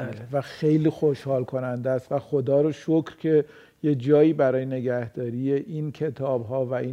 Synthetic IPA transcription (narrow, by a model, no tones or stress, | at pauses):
levæxejliːxoʃhɒːlkʰo̞nænd̪ææst̪væxod̪ɒːɾoʃocɾcʰe̞ | jed͡ʒɒːjiːbæɾɒːjene̞ɡæhd̪ɒːɾiːje̞ʔincʰe̞t̪ʰɒːbɦɒːvæʔi